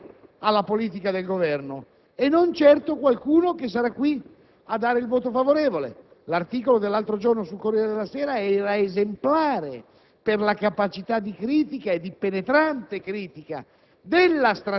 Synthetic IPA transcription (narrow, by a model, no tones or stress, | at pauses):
alːapoliːt̪̬ikad̪elɡovɛrno | enːont͡ʃɛrt̪okwalkuːnokes̬aɾakːwi | ad̪ːaːɾeilvoːt̪ofavoɾeːvolḛ | lart̪iːkolod̪elːalt̪ɾod͡ʒornosulkorːjɛːɾed̪elːasɛːɾaɛːɾaezemplaːɾe | perlakapat͡ʃit̪ad̪ikɾiːt̪ikaed̪ːipenet̪ɾant̪ekɾiːt̪ika̰ | d̪elːast̪ɾa